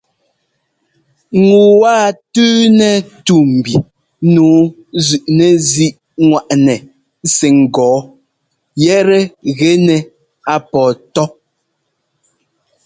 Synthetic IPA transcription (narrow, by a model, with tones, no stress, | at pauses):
ŋ˨u˨waː˦tʉː˦nɛ˨tu˨m̩˨bi˨ | nuː˨˦ | zʉ˨ʔnɛ˨zi˦ʔ | ŋwa˨ʔnɛ˨˦ | sɛ˨ŋ̩˨ɡɔː˨˦ | jɛ˦ɾɛ˦ɣɛ˦nɛ˨ | a˨pɔː˨tɔ˦